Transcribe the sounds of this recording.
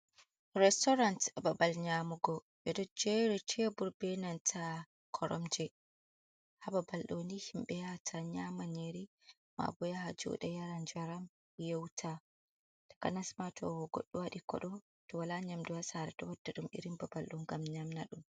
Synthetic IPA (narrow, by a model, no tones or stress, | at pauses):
ɾɛstɔɾantbabalɲamuɡɔ | ʔɛdɔd͡ʒɛɾitʰɛbuɾbɛnantʰa | kʰɔɾʔɔ̰md͡ʒɛ | hababalɗonihimɓɛjatʰaɲamaneɾi | ma̰bɔjahad͡ʒɔ̰ɗɛjaɾand͡ʒaɾam | jewtʰa | tḁkanasmatʰɔ̰ɡo̰ɗːuwaɗikɔ̰ɗɔ | tɔwalaɲamduwasaɾɛtɔwadːaɗumḭɾimbabalɗunɡamɲamnaɗum